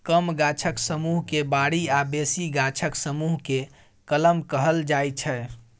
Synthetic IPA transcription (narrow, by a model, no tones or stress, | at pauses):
kəmɡat͡ʃʰəksəmuɦkebaɽiabesiɡat͡ʃʰəksəmuɦke | kələmkəɦəld͡ʒajt͡ʃʰɛ